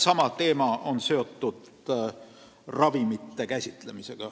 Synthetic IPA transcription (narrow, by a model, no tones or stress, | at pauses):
sɑmɑt̪e̞ːmɑʔo̞nse̞o̞t̪ːud̪̥ | rɑvimit̪ːe̞kæsʲit̪ˑle̞mise̞ɡ̥ɑ